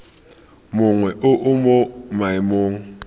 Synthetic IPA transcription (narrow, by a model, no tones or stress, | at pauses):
mʊŋwɛʔʊʔʊmomaimoːŋ̩